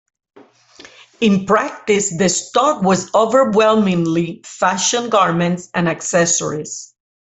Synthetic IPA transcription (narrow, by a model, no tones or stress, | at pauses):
ɪ̃npɹæk̚t̪ɪsðɨstɔkwɔzovəɹwɛlˠmɪ̃ŋlifæʃɔ̃nɡɑɹmɛ̃ntsæ̃naksɛsɔ̰ɹis